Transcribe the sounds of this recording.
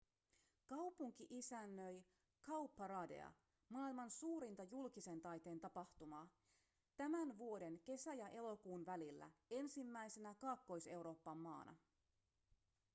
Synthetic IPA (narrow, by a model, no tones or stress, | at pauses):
kɑwpuŋk̟iʔisænːøj | kɑwpːɑɾɑːde̞̰ɑ̰ | mɑːilmɑnsuːɾint̪ɑjulk̟ise̞nt̪ɑjt̪e̞ːnt̪ɑpɑht̪umɑː | t̪æmænʋuo̞de̞nke̞sæjɑʔe̞lo̞kuːnʋælilːæ̰e̞nsimːæjse̞nækɑːkːo̞jse̞wɾo̞ːpːɑmːɑ̰ːnʔɑ̰